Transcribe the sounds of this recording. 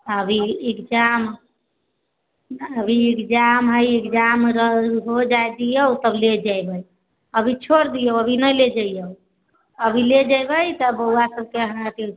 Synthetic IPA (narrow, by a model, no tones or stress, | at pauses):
əbʱiikd͡ʒam | əbʱiekd͡ʒamɦəjikd͡ʒamɾəɦod͡ʒajd̪ijəwt̪əbled͡ʒajbəj | əbʱit͡ʃʰoɾd̪ijəwəbʱinəled͡ʒəjjəw | əbʱiled͡ʒajbəjt̪əbəwasəb̚keəɦə̃t̪i